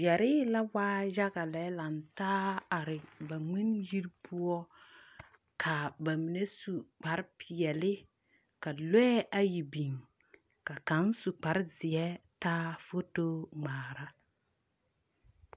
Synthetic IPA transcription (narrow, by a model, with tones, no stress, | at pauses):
jɛ˨ɾɪː˦la˦waː˦ʒa˦ɡa˨lɛ˨˦la˨ntaː˦a˨ɾɪ˨ba˨ŋ͡mi˦nji˦ɾpʰʊ˦ɔ˦ | kʰa˨ba˨mi˨ne˦su˨k͡pa˨ɾpʰɪ˨ɛ˨lɪ˦ | ka˨lɔ˦ɛ˦ʔa˨ji˨bi˨ŋ | ka˨ka˨˦nsu˨k͡pa˨ɾzɪ˨ɛ˦taː˦fo˦to˦ŋ͡maː˨ɾa˦